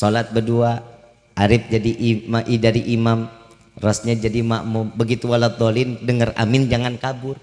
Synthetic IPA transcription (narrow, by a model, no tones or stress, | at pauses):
solat̪̚bədua | ʔaɾɪp̚d͡ʒadiʔmaʔidaɾiʔimam | rasɲad͡ʒadimaʔmʊmbəɡit̪ualad̪olɪndəŋəra̰mɪnd͡ʒaŋankabʊr